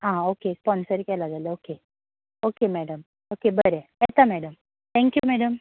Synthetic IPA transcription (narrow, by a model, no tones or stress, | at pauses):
ɦãokespɔnsəɾkɛlad͡zaleoke | okemɛɽəm | okebəɾeɛt̪amɛɽəm | t̪ʰɛ̃ŋkjumɛɽəm